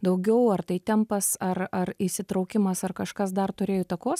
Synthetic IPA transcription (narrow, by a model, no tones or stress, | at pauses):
d̪ɐʊɡʲɛʊɐrt̪ɐɪt̪ʲɛmpɐsɐrɐrɪsʲɪt̪ɾɐʊkʲɪmɐsɐrkɐʃkɐs̬d̪ɐrt̪ʊɾʲeːjot̪ɐkoːs